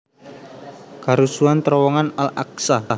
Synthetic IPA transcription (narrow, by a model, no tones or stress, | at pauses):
kaɾusuant̪əɾɔwɔŋanala̰k̚sa